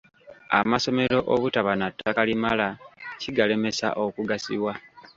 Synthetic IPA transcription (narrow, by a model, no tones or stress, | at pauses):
a̰maso̞me̞ɾo̞ʔoβutaβanatːakalimalaciɡale̞me̞sa̰ʔo̞kuɡasḭwa